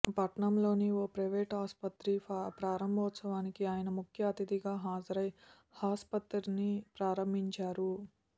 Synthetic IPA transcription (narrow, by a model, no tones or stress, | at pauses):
pɐʈɳɐmlo̞ːnioːpɾɐjʋeːʈaːspɐt̪ɾipɾaːɾɐmbʱɐːt̪sɐʋaːnikiaːjɐnɐmukʰjɐːt̪id̪iɡaːɦaːd͡ʒɐɾɐj | haːspɐt̪ɾinipɾaːɾɐmbʱiɲt͡ʃaːɾu